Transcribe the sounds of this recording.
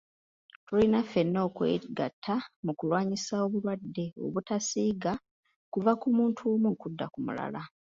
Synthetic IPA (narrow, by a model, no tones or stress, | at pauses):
tulinafe̞nːo̞ːkwḛːɡa̰tʰːamukulwaːɲisao̞βulwadːe̞o̰βutasiːɡa | kuvakumuːntʰuːmukudːa̰kumṵla̰la